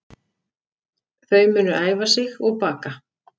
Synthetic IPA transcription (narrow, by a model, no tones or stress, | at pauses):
θœɥmʏːnʏʔaːjvasɪɣɔɣpaːka